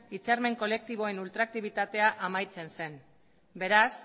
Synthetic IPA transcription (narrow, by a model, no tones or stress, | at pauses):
it͡seɾme̞ŋko̞le̞k̚t̪iβ̞o̞e̞nult̪ɾak̚t̪iβ̞it̪at̪e̞aʔamajt͡se̞nse̞n | be̞ɾas